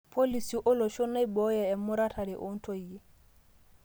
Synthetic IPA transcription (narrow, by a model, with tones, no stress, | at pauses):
pʰo˦li˨si˨ʔʊ˦lɔ˨ʃɔ˦na˦i˦bɔ˦jɛ˨ɛ˨mʊ˦ɾa˦tʰa˨ɾi˨ʔʊ˦n̩˦tʰo˦i˨e˦